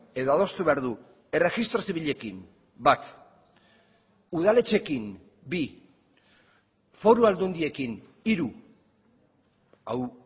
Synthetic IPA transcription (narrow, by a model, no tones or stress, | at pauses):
e̞ðoað̞o̞st̪uβe̞aɾðu | e̞re̞ɣist̪ɾosiβiʎe̞kim | bat̪ | uð̞ale̞t͡ʃe̞kin | bi | fo̞ɾuald̪und̪ie̞kin | iɾu | a̰w